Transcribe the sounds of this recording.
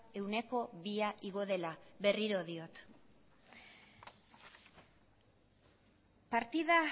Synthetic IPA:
e̞wne̞ko̞βiaʔiɣ̞o̞ðe̞laβe̞riɾo̞ðio̞t̪ | paɾt̪iða

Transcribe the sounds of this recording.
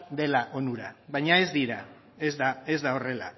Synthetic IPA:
d̪e̞laʔo̞nuɾaβajɲae̞zd̪iɾa | ezðae̞zðao̞re̞la̰

